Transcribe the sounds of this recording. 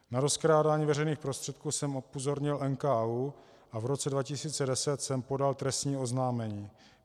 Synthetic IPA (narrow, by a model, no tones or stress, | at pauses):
naɾo̞skɾaːdaːɲiːvɛɾɛjniːxpɾost̪r̥ɛt̪̚kuːsɛmopozo̞ɾɲɪlʔɛnkaːu | ʔavɾo̞t͡sɛdvacɪsiːt͡sɛdɛsɛt̪sɛmpo̞dalt̪ɾɛst̪ɲiːo̞znaːmɛɲiː